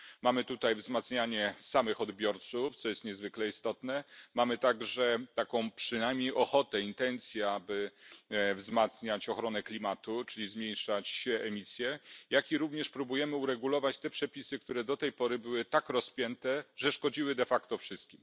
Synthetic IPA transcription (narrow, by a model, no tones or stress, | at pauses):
mamɘt̪ut̪ajvzmat̪sɲaɲɛsamɘxɔd̪bʲjɔɾt̪suft̪sɔjɛst̪ɲɛzvɘklɛist̪ɔt̪nɛmamɘt̪aɡʐɛt̪akɔ̃w̃pʂɘnajmɲejʔɔxɔt̪ɛint̪ɛnt̪sʲjaabɘ | vzmat̪sɲat͡ɕɔxɾɔnɛklʲimat̪ut͡ʂɘlʲizmʲjej̃ʂat͡ɕɕɛɛmʲisʲjɛjakʲiɾuvɲɛʂpɾubujɛmɘuɾɛɡulɔvat͡ɕt̪ɛpʂɛpʲisɘk̚t̪uɾɛd̪ɔt̪ɛjpɔɾɘbɘwɘt̪akɾɔspʲjɛnt̪ɛʐɛʂkɔd͡ʑiwɘd̪ɛfakt̪ɔfʂɘst̪̚kʲim